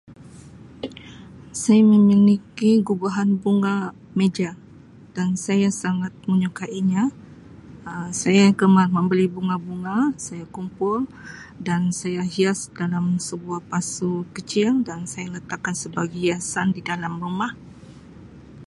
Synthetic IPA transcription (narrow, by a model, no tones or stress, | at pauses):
sajaməminikiɡubaɦanbuŋa | med͡ʒa | d̥ansajasaŋat̪̚məɲokaʔiɲa | sajakəmarmə̃mbəlibuŋabuŋasajakumpʊldansajaɦiasdalamsəbuahpasukət͡ʃiŋdansajalət̪akːansəbaɡihiasandidalambəmah